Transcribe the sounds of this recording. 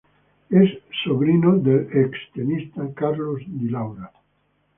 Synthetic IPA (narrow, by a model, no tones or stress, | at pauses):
esːoβɾinod̪elekst̪enist̪akaɾlozd̪ilawɾa